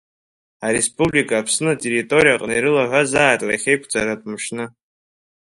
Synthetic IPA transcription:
aɾespʼublikʼaːpʰsnɨatʼe̞ritʼo̞ɾijaqʼniɾɨlaʕʷazaːjtʼla̰χʲejkʷʰd͡zʼaɾatʼmʃnɨ

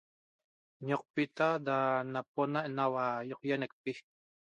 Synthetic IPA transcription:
ɲoq̚pit̪adanap̚onaʔnawajoq̚jenek̚pi

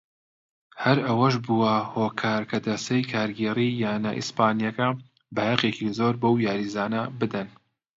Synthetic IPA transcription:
hɐɾɐwɐʃ̬buwɐhoːkʰaːɾkʰɐd̪ɐsɐjkʰaːɾɡeːrijaːna̰ʔḭspaːnijɐkɐ | bɐhɐqekizoɾbowjaːɾizaːnɐbɨd̪ɐn

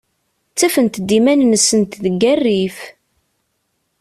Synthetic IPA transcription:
t͡sːæfənt̪d̪ːimænnəsːənt̪ðəɡærːif

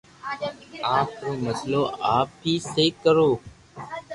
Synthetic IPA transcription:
aːkʰɾoːməsloːʔaːp̚biːseːkːəɾoː

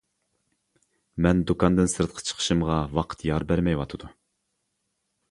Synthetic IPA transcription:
mɛnd̪ukʰɑnd̪ɨnsɨɾt̪qʰə̥t͡ʃʰə̥qʰə̥ʃɨmʁɑwɑqʰə̥t̪ʰjɑɾbæɾmɛjwɑt̪ʰɨd̪u

